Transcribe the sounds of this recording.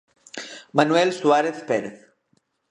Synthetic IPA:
manwelsuaɾeθpeɾeθ

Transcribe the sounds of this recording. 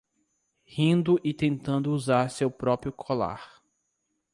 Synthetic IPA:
hĩnd̪ʊʔɪt̪ẽnt̪ɐ̃nd̪ʊuzaɾsewpɾɔpɾjʊkʰola̰ɾ

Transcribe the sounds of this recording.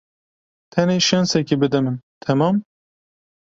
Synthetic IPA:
t̪ʰɛneːʃɛnsɛkibɨd̪ɛmɨnt̪ʰɛmɑːm

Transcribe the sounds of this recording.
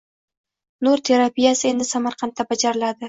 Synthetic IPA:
nuɾt̪ʰe̞ɾapijasɪe̞nd̪ɪsamaɾqʰɑnt̪ːabad͡ʒaɾɪlad̪ɪ

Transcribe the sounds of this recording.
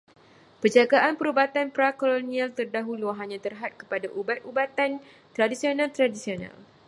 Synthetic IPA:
pərd͡ʒaɡaʔanpəɾubat̪anpɾakolonĩalt̪ərdaɦuluɦaɲãt̪ərɦat̪̚kə̥padaʔubat̪̚ʔubat̪an | t̪ɾadisionãlt̪ɾadisionã̰l

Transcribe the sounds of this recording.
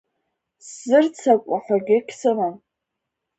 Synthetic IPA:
szɨrt͡sʰakʷʼaħʷaɡʲɪkʲʰsɨman

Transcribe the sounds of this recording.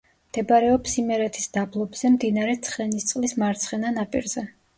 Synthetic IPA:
md̪̥ɛbɾɛɔpsimɛɾɛt̪ʰisd̪̥ablˠɔbz̥ɛmd̪inaɾɛt̪sʰχɛnist̪sʼlismaɾt̪sʰχɛnanapʼḭɾz̥ɛ

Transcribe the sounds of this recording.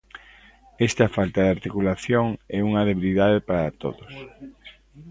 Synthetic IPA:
ɛst̪afalt̪aðaɾt̪ikulaθjoŋɛuŋɐðeβiliðaðepaɾat̪o̰ðos

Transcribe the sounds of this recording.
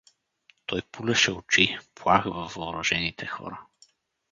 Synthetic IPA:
t̪ɔjpulɛʃɛʊt͡ʃiplˠaxvɐvɐːɾɔʒɛnit̪ʰɛxɔ̰ɾɐ

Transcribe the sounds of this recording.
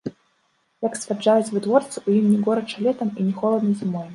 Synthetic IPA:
jɐksʲvʲad͡ʐajut͡sʲvɨd̪vɔrt̪sɨujimnʲɛɡɔɾɐt͡ʂalʲɛt̪ɐminʲɛxɔlˠɐd̪nɨjzɨmɔj

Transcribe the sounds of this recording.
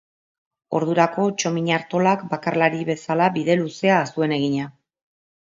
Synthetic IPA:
o̞̰ɾðuɾako̞t͡ʃo̞miɲaɾt̪o̞lakbakarlaɾiβe̞salaβiðe̞luse̞aːsue̞ne̞ɣ̞iɲa

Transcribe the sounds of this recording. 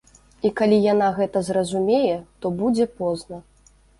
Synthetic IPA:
ikalʲijanaɣɛt̪ɐzrɐzumʲejɛt̪ɔbud͡zʲɛpɔznɐ

